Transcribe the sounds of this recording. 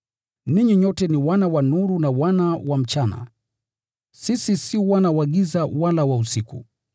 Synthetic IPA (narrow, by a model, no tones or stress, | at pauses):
niɲiɲɔtɛniwanawanuɾunawanawam̩t͡ʃana̰ | sisisiwanawaɠizawalawausikṵ